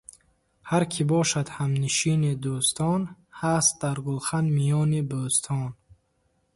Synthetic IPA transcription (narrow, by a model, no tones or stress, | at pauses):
haɾkʰibɔʃad̪hamniʃinid̪ust̪ʰɔnhast̪̚d̪aɾɡulχand̪mijɔnibust̪ʰɔn